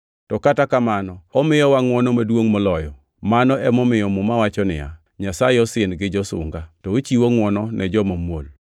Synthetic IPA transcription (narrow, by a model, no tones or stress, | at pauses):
tɔkatakamanɔɔmɪjɔwaŋwɔnɔmadwoŋmɔlɔjɔ | manɔɛmɔmɪjɔmʊmawat͡ʃɔnɪ̰ja̰ | ɲasajɪɔsɪnɡɪd͡ʒɔsʊ̰ŋɡatɔt͡ʃiwoŋwɔnɔnʔɛd͡ʒɔmomwo̰l